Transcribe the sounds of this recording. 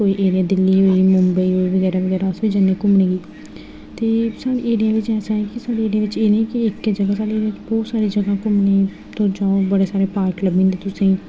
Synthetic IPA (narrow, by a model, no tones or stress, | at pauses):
oːiːʔeːɾɪjaːd̪ɪlːiːɦoːiːmʊmbəiːɦoːiːʋəɡɛːɾaːʋəɡɛːɾaːəsʋiːd͡ʒaneːkʊmnẽːɡiː | t̪eːsaːɽeːeːɽijaːʋɪt͡ʃɛːsãːɛ̃kɪsaːɽeːeːɽijaːʋɪt͡ʃeːnẽːkɪɪkd͡ʒəɡaːsaːɽeːɪt͡ʃbɔːt̪saːɾiːd͡ʒəɡãːkʊmneː | t̪õːd͡ʒaːobəɽeːsaːɾeːpaːɾkləbĩnd̪eːt̪ʊsĩː